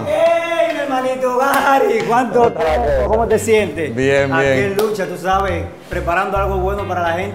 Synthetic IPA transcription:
enelmalit̪oɣaɾikwant̪ot̪aokomot̪esjent̪ebjeajekellut͡ʃat̪us̬aβe | pɾepaɾand̪oalɣoβwenopaɾalahent̪

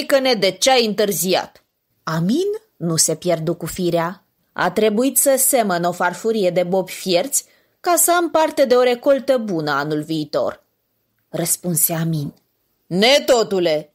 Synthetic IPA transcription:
kəne̞d̪e̞t͡ʃeajɨnt̪ɨrzia̰t̪ | aminː | use̞pje̞rd̪ukufiɾea | a̰t̪ɾe̞buit̪səse̞məno̞farfuɾije̞d̪e̞bo̞pʲfje̞rt̪sʲ | kasəampart̪e̞d̪e̞o̞ɾe̞ko̞lt̪əbunəanulviːt̪o̞̰r | rəspunseamin | ne̞t̪o̞t̪ule̞

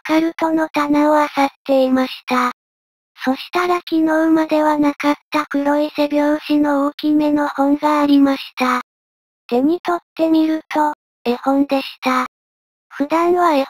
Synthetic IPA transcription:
akaɾɯ̟t̪o̞no̞t̪anaoasat̪ːe̞imaɕi̥t̪a | so̞ɕi̥t̪aɾakʲino̞ɯ̟mad̪e̞βanakat̪ːakɯ̟ɾo̞isebʲjo̞ːɕino̞okʲime̞no̞hõ̞ŋɡaːɾʲimaɕi̥t̪a | d̪̥e̞ɲ̟it̪o̞t̪ːe̞mʲiɾɯ̟t̪o̞ | e̞hõ̞nd̪e̞ɕi̥t̪a | ɸɯ̟d̪ãɰ̃βae

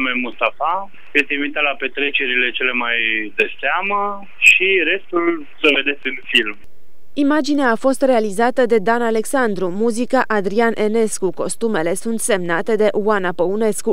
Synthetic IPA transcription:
memust̪afa | jest̪einvit̪at̪lape̞t̪ɾe̞t͡ʃe̞ɾile̞t͡ʃe̞le̞majd̪eseamə | ʃiɾe̞st̪ul | səve̞d̪e̞t̪sʲɨnfilm | imad͡ʒineaːfo̞st̪realizat̪əd̪e̞d̪anale̞ksand̪ɾumuzikaʔad̪ɾianʔe̞ne̞skuko̞st̪ume̞le̞sunt̪se̞mnat̪e̞d̪e̞ʔuanapəune̞sku

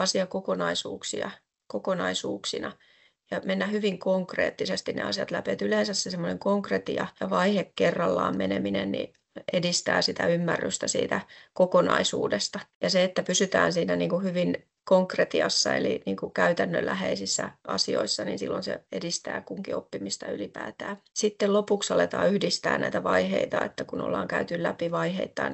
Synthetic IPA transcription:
ɑsiɑkokonɑisṵːksḭɑ̰ | kokonɑisuːksinɑ | jɑmenːæhyʋiŋkoŋkrḛːt̪ːisest̪innḛɑ̰sijɑt̪læpet̪ylensæssesemːoneŋkoŋkret̪iɑjɑʋɑihekkːerːɑlːɑːmmeneminennḭ | edist̪æːsit̪æymːærːyst̪æsḭːt̪ækokonɑ̰isṵːdest̪ɑjɑseet̪ːæpysyt̪æːnsiːnæniːŋkuhyʋin | koŋkret̪iɑsːɑeliniːŋkukæyt̪ænːø̰lːæheisisːæʔɑ̰sio̰isːɑniːnsilːonsḛedist̪æːkuŋkiopːimist̪ɑylipæːt̪æːsit̪ːellopuksɑlet̪ɑːyhdist̪æ̰ːnnæit̪æʋɑiheit̪ɑet̪ːækuno̰lːɑːŋkæyt̪yllæpiʋɑiheit̪ːɑn

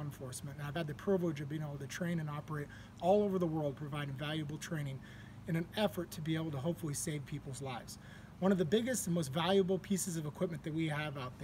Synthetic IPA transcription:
ə̃ɱfɔɹsmɨ̃ntɨ̃naɪv̥ɨd̪̚ðɨpʰɹ̥oʊvoʊd͡ʒʌvbiɪ̃ŋeɪbl̩ˠtʰɨtʰɹ̥ẽɪ̃ñɨ̃nɑpə˞eɪɾ | ɔlˠoʊvə˞ðəwɜ˞lˠd̚pʰɹ̥ɨvaɪɾɪ̃ŋvælˠjɨbl̩ˠtʰɹ̥ẽɪ̃ñɪ̃ŋ | ɨ̃ñɨ̃nɛfə˞tʰɨbieɪbl̩ˠtʰəɦoʊpfl̩ˠiseɪv̥pʰipl̩ˠzlaɪvz̥ | wʌ̃ɾ̃ʌvðɨbɪɡɨstn̩moʊstvælˠjɨbl̩ˠpʰisɨzʌvɨkʰw̥ɪp̚mɨ̃nðɨt̚wiɨvaʊt̪̚ð

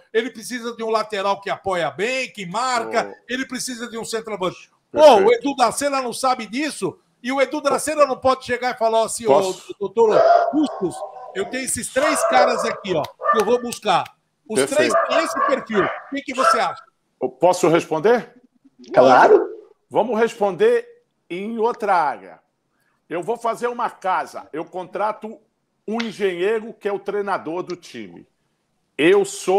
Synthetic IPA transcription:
elɪpɾɪsizɐd͡ʒ̪ɪũlat̪eɾawkɪapɔjɐbẽj̃kɪmaɾkɐelɪpɾɪsizɐd̪ɪũsẽnt̪ɾabɐ̃ʃ | ɔʊed̪ud̪ɐsẽnɐnɐ̃w̃sabɪd̪isʊ | ɪʊed̪ud̪asẽnɐnɐ̃w̃pɔd͡ʒ̪ɪʃeɡaɪfalawasĩɔd̪ot̪oɾhust̪ʊsewt̪ẽj̃ʊesɪst̪ɾejskaɾɐzakiɔkɪewvobuskaɾ | ʊpesɾt̪ɾejskɔ̃esɪpeɾfiwkekɪvoseaʃɐ | pɔsʊɦespõnd̪eɾ | klaɾʊ | vɐ̃mʊhespõnd̪eɾ | ẽj̃ot̪ɾɐaɡɐ̰ | ewvowfazeɾũmɐkazɐ̰ewkõnt̪ɾat̪ʊ | ũĩʒẽɲejɾʊkɪɛʊt̪ɾejnad̪oɾd̪ʊt͡ʃḭ̃mɪ̰ | ewso

